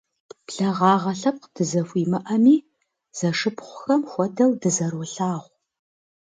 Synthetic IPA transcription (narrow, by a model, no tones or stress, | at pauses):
pɬɐʁɑːʁɐɬɐp̚qd̥ɨzɐfʷiːmɨʔɐmiː | z̥ɐʂɨpχʷʊxɐmχʷɔdɐwdɨzɐrwʊɬaːʁʷ